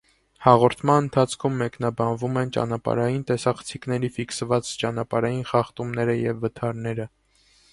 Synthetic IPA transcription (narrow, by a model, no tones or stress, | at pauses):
hɑʁɔɾt̪ʰmɑnənt̪ʰɑt͡sʰkʰumːɛknɑbɑnvumɛnt͡ʃɑ̰nɑpɑ̰ɾɑjint̪ɛsɑχə̥t͡sʰiknɛɾifiksəvɑt͡st͡ʃɑnɑpɑɾɑjinχɑχt̪umnɛɾəjɛvːət̪ʰɑɾnɛɾə